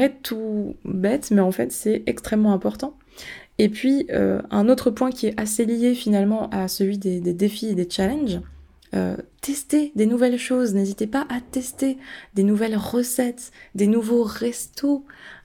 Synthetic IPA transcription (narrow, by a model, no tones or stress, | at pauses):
ʁɛt̪ʰubɛt̪mɛɑ̃fɛ̰t̪sɛɛkst̪χɛmːɑ̃ɛ̃pɔʁt̪ɑ̃ | epɥiø̰ɛ̃not̪χəpwɛ̃kʲiɛaselijefinalmɑ̃ʔasəlɥid̪ed̪ed̪efied̪et͡ʃalɛ̃nʒ | ø̰t̪ɛst̪ed̪enuvɛlʃoznezit̪epaʔat̪ɛst̪ed̪enuvɛlʁəsɛt̪d̪enuvoʁɛst̪o